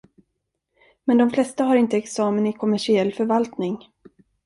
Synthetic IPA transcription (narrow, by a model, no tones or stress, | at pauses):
mɛnd̪ɔmflɛst̪aɦaɾɪnt̪əɛksɑːmənɪkʰɔmæʂɪɛlːfœɾvalt̪nɪŋ